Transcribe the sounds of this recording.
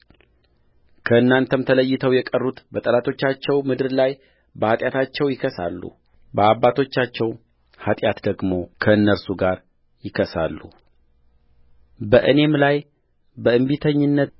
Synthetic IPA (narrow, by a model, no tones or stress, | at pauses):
kʰəɨnːant̪ʰəmt̪ʰələjːɪt̪ʰəwjɛkʼərːut̪bət̪ʼəlat̪ʰo̞t͡ʃːat͡ʃːɛwmɨd̪ɨɾlaj | bəhat̪ʼjat̪ʰat͡ʃːɛwjɪkʰəsa̰lːṵ | bəaβːat̪ʰo̞t͡ʃːat͡ʃːɛw | hat̪ʼjat̪d̪əɡmo̞kʰəɨnːəɾsuɡaɾ | jɪkʰəsa̰lːṵ | bəʔɨne̞mlaj | bəɨmbit̪ʰəɲːɪnːət̪